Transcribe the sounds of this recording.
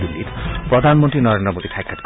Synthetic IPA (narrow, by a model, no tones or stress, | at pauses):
b̪ilːḭt̪pɾɔd̪ʱanmoɔnt̪ɾinɔɾend̪ɾɔmod̪it̪ʰajkʰːat̪